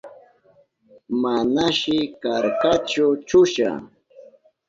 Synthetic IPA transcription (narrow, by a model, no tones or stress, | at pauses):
manaʃɪkaɾkat͡ʃʊt͡ʃʊʃa̰